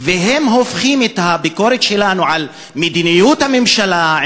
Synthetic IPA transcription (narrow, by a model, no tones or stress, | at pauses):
veɦe̞mɦo̞fχimet̪habiko̞ʁet̪ʃelanuʕal | med̪inijut̪hame̞mʃala